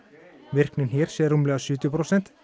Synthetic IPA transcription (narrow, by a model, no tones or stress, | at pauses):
ʋɪr̥knɪnhiːɾ̥sjɛːɾʊmlɛːɣasʏːt̪jʊpʰɾɔsɛnt̪